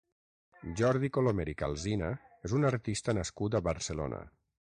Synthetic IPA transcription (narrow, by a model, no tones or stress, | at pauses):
ʒɔɾðikolomeɾika̰lˠzinaezunaɾt̪ist̪ənəskut̪əβəɾsəlo̰nə̰